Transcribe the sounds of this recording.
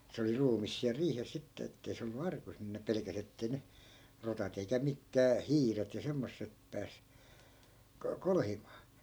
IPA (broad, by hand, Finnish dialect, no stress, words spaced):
se oli ruːmis siæl riːhes sitːe etːei se olːu ɑrkus nin ne pelekæs etːei ne rotɑt eikæ mikːæː hiːret jɑ semːosːep pæːs ko kolhimɑː